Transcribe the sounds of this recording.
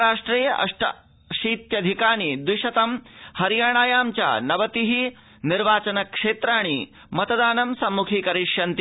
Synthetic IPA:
aːʂʈɾiːjɐʔɐ̰ʂʈɐ̰ | ʃiːt̪jɐd̪ʱikaːɳ̃id̪wiʃɐt̪ɐmhɐɾjaːɳ̃aːjaːmt͡ʃa̰nɐʋɐt̪iɦi | niɾʋaːt͡ʃɐnɐkʂeːt̪ɾaːɳ̃i | mɐt̪ɐd̪aːnɐmsɐmːukʰiːkɐɾiʂjɐnt̪i

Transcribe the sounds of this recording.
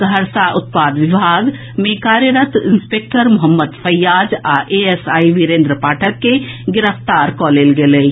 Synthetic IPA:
ɡʱəɾsaʔʊt̪̚paːd̪ʋibʱaːɡ | mẽkaːɾjəɾət̪inspeːk̚ʈəɾmʊɦəmːəd̪pʰəjːaːd͡ʒaʔeesaːiʋiɾẽːnd̪ɾəpaːʈʰəkːeɡɪɾəft̪aːɾkɔlelɡeləj

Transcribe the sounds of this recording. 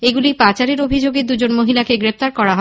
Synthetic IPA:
eɡulipat͡ɕaɾeɾobʱid͡ʑoɡed̪ud͡ʑonmoɦilakeɡɾeft̪aɾkɔɾaɦɔ

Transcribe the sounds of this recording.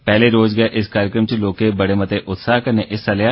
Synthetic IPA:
pɛːleɾoːd͡ʒɡɐjaʔɪskaːɾjəkɾəmt͡ʃeloːkebɐɽemɐt̪eʔʊt̪saːɦkɐɾneʔɪsːaːleja

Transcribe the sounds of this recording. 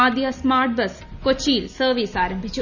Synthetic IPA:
aːd̪ijasmaːɾʈ̚bɐs | kot͡ʃiːlsəːʋiːsaːɾə̃mbʱit͡ʃ

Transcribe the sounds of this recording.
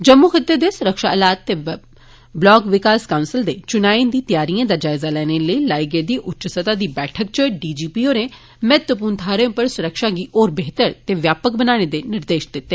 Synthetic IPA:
d͡ʒəmːuxɪt̪ːeːd̪eːsʊɾəkʃaːəlaːt̪ːeː | blɔːɡʋɪkaːskaːʊ̃nsɪld̪eːt͡ʃʊnaːĩnd̪iːt̪ɪjaːɾijãːd̪aːd͡ʒaːɪzaːlɛːñeːləiːlaːiɡeːd̪iːʔʊtːt͡ʃsət̪aːd̪iːbɛːʈʰək̚t͡ʃəɖiːd͡ʒiːpiːoːnẽː | mɛːt̪əpuːnt̪ʰaːɾẽpəɾsʊɾəkʃaːɡiːʔoːɾbeːɦt̪əɾt̪eːʋjaːpək̚bənaːɽ̃eːd̪eːnɪɾd̪eːʃd̪ɪt̪ːeː

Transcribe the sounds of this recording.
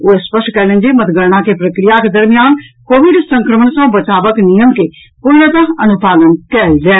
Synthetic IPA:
oːespəsʈkɛlẽnd͡ʒimɐt̪ɡəɾɳ̃akepɾəkɾijaked̪ɐɾmijaːnkoːʋiɖsə̃ŋkɾəməɳsə̃bɐt͡ʃaːʋəknijəmke | pʊɾnət̪əɐnupaːd̪ənkɛld͡ʒaː

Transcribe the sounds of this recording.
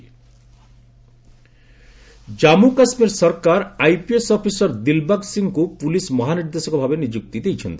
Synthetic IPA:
d͡ʒamukasmiɾsɔɾkaɾajpiesɔpʰisɔɾd̪ilbaɡsiŋkupulismɔɦaniɾd̪esɔkɔbʱabenid͡ʒuk̚t̪id̪ejt͡ʃʰɔnt̪i

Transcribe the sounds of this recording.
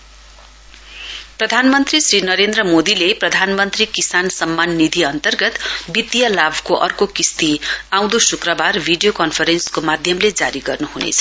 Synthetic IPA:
prʌd̪ʱanmʌnt̪risrinʌɾend̪ɾʌmod̪ileprʌd̪ʱanmʌnt̪rikisansʌmːanːid̪ʱiʌnt̪ʌrɡʌt̪bit̪jʌlabʱkoʔʌ̰rkokist̪iãw̃d̪osukrʌbarbʱiɖijokʌnpʰʌɾenskomad̪ʱjʌmled͡zaɾiɡʌrnuɦunḛt͡sʰʌ̥

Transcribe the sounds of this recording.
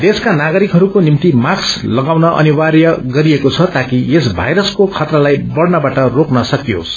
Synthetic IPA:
d̪eskanaɡʌɾikɦʌɾukonimt̪imakslʌɡawnʌʔʌ̰niwaɾjʌɡʌɾiekot͡sʰʌt̪akiesbʱa̰jɾʌskokʰʌt̪ɾalajbʌɽnʌbaʈʌroknʌsʌkjo̰s

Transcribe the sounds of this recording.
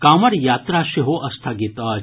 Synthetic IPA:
kaːmɐɾjaːt̪ɾaːʃeɦoʔɐst̪ʰaɡit̪ɐ

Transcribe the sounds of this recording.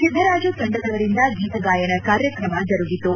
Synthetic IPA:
kid̪ʱɐɾaːd͡ʒusɐɳɖɐd̪ɐʋɐɾind̪ɐɡiːt̪ɐɡaːjɐɳɐkaːɾjɐkɾɐmɐd͡ʒɐɾuɡit̪ːu

